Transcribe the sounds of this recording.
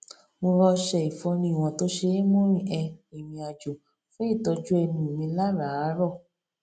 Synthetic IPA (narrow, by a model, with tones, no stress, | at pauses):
mo˧ɾɔ˧ʃɛ˧i˨fɔ˧nĩ˧˦i˨w̃ɔ̃˨˧˨to˨˦ʃe˧˦mõ˦ɾ̃ĩ˦˨ʔɛ˧i˨mĩ˧a˨d͡ʒo˨ | fũ˦i˦˨tɔ˧d͡ʒu˦ɛ˧nĩ˧˨mĩ˧la˦ɾa˨˦ɾɔ˦˨